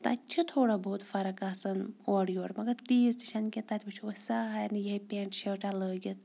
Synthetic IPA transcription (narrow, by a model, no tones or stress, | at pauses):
t̪ɐɐtʲːt͡ʃʰit̪ʰoːɽaboːt̪fɐɾɐkaːsɐnoːɽjoːɽmɐɡɐɾt̪iːzd̪iʃɐnkʲet̪aːt̪ʰʲbt͡ʃʰosaːɦɐjɐnijɐipʲeːɳʈʃɐːʈaləːɡʲit̪